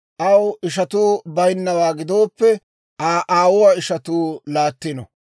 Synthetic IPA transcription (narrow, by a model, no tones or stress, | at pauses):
ʔɐwɪʃ̬ɐt̪uːbɐjnːɐwaːɡɪd̪o̞ːpːɛ | aʔaːwʊwaɪʃɐt̪uːlaːt̪ːɪnɔ̰